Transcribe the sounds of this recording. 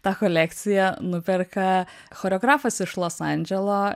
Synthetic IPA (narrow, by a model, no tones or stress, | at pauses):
t̪ɑːkɔlʲækt̪sʲɪjɛnʊpʲɛɾkɐ | xoːɾʲɛɔɡɾɑːfɐsɪʃlˠoːsɑnʲd͡ʒʲɛlˠoː